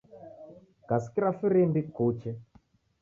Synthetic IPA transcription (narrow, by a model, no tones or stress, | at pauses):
kaskiɾafiɾimbikut͡ʃɛ